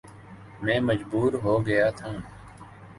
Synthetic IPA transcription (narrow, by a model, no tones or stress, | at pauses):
mɛ̃ːməd͡ʒbuːɾɦoːɡəjaːt̪ʰãː